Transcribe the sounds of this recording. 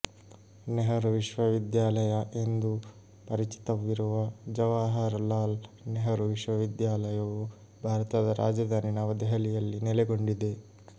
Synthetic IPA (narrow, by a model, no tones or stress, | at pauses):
neɦɐɾʋiʃʋɐʋid̪jaːlɐjɐʔe̞nd̪u | pɐɾit͡ʃi̥t̪ɐʋːiɾuʋɐd͡ʒɐʋaːɦɐɾlaːlneɦɐɾuʋiʃʋɐʋid̪jaːlɐjɐʋu | bʱaːɾɐt̪ɐd̪ɐɾʔaːd͡ʒɐd̪ʱaːninaʋɐd̪ɛɦɐlijɐlːinɛleɡoɳɖid̪e̞